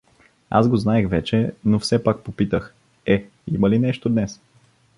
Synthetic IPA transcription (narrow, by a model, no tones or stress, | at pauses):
a̰zɡoznaɛxvɛt͡ʃɛnofsɛpak̚popit̪əx | ɛ | iməlinɛʃt̪od̪nɛs